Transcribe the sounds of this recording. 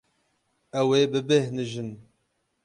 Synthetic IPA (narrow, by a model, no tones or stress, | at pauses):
ɛweːbɨbehnɨʒɨn